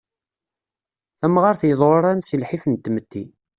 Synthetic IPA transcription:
θæmʁaɾθjəðˤoɾˤænsilħifənt̪ːmət̪ːi

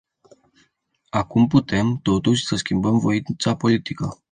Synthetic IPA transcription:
akumput̪e̞mt̪o̞t̪uʃʲsəskʲimbəmvo̞int̪sapo̞lit̪ikə

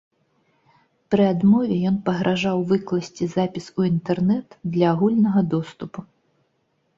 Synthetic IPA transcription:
pɾɨad̪mɔvʲɛjɔnpɐɣɾʔaʐawvɨklˠɐsʲt͡sʲizapʲisuint̪ɛrnɛt̪d̪lʲɐːɣulʲnɐɣɐd̪ɔst̪upu

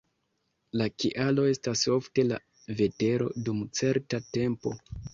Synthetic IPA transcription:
lakiʔalo̞e̞staso̞fte̞la̰ | ve̞te̞ɾo̞̰dumt͡se̞ɾtate̞mpo̞̰

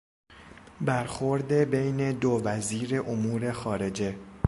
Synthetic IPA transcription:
bæɾxo̞ɾd̪e̞bejne̞d̪ovæziːɾe̞ʔomuːɾe̞xɒːɾe̞d͡ʒe̞

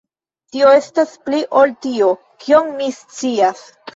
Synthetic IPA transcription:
tio̞e̞staspliʔoltio̞ | kʰio̞ŋmist͡sias

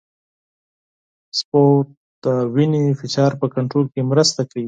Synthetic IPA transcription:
spo | d̪̥awinefɪʃɑɾpəkaɳʈɾolkemɾəst̪akaɽi

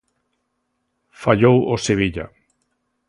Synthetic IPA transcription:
faʎowoseβ̞iʎa̰

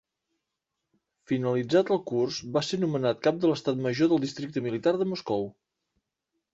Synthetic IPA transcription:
finəlid͡zat̪əlˠkursbasenumənat̪̚kap̚d̪ələst̪at̪məʒoðəlˠd̪ist̪ɾik̚t̪əmilit̪aɾðəmuskɔw

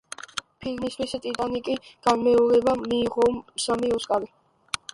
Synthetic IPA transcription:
pʰilmist̪ʰwist̪ʼit̪ʼanikʼiɡ̥anmɛɔɾɛbamiːʁɔmsamiɔskʼali

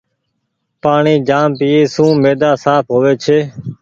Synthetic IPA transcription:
paːɳiːd͡ʒaːmpiːeːsũːmeːd̪aːsaːpʰɦoːʋeːt͡ʃʰeː

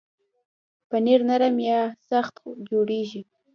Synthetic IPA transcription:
pəneɾnaɾamjɑsaxt̪d͡ʒoɽeʒi

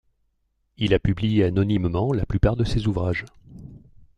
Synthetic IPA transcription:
ilapyblijeanɔnimmɑ̃laplypaʁd̪əsezuvʁaʒ

